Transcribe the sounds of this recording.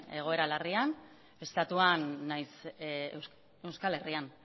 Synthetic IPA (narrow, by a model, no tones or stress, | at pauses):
e̞ɣ̞o̞e̞ɾalerian | e̞st̪at̪uanːajs | e̞wskale̞rian